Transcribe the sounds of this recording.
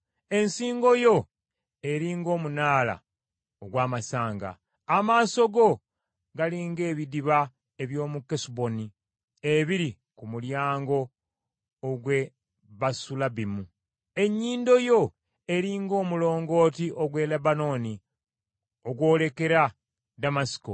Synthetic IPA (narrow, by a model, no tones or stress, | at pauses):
e̞nsiːŋɡo̞jo̞ | e̞ɾiːŋɡo̞ːmunaːla̰ | oɡwaːmasaːŋɡa̰ː | maːso̞ɡo̞ | ɡaliːŋɡe̞ːβidiβa | eβjo̞ːmukːesubo̞ni | eβiɾi | kumuljaːŋɡo̞ː | ɡwe̞ | βasulabimu | e̞ɲːiːndo̞jo̞ | e̞ɾiːŋɡo̞ːmulo̞ːŋɡo̞ːtiʔoɡwe̞lebano̞ni | oɡwo̞ːle̞ke̞ɾa | damasi̥ko